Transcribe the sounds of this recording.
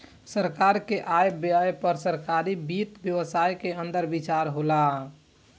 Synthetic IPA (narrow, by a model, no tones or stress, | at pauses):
səɾkaɾkeʔajbaepəɾsəɾkaɾibit̪bjəʋsajkeənd̪əɾbit͡ʃaɾɦola